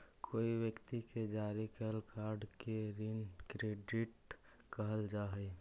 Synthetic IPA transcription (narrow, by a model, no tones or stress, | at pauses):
kʰoːiʋjəkt̪iked͡ʒaːɾikəlkʰaːɾɖkeɾinkɾeːɖɪʈ | kəɦəld͡ʒaːɦe